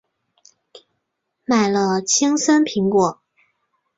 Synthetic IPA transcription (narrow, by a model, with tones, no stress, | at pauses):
ma˨˩ɪlə˧t͡ɕʰi˥ŋsə˥npʰi˧˥ŋkwɔ˨˩˦